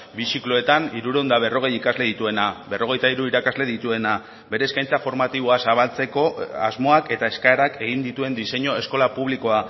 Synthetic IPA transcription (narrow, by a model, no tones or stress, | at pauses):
bisikloe̞t̪aniɾuɾe̞ond̪aβ̞e̞ro̞ɣ̞e̞jikazle̞ðit̪ue̞nabe̞ro̞ɣ̞e̞jt̪aiɾuiɾakazle̞ðit̪ue̞na | be̞ɾe̞ːskajnt͡safo̞ɾmat̪iβo̞asaβ̞alt͡se̞ko̞azmo̞ake̞t̪ae̞skaeɾake̞ɣ̞ind̪it̪ue̞nd̪ise̞ɲo̞e̞sko̞lapuβ̞liko̞a